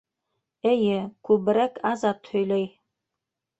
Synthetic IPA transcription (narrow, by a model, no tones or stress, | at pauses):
ɘjɘkʉβɾækɑzɑt̪hɵ̆jlæj